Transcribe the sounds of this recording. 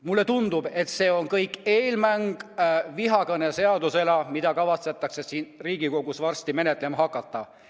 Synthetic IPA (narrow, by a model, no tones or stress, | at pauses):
mulːe̞t̪und̪ub̥e̞t̪se̞ːo̞nkɤjkːˑe̞ːlmæŋɡ̥viɦɑkɤnese̞ɑd̪use̞lɑmid̪̥ɑkɑvɑt̪set̪ːˑɑksesiːnriːɡ̥iko̞ɡ̥usvɑrst̪ime̞ne̞t̪ːˑle̞mɑɦɑkːˑɑt̪ːɑ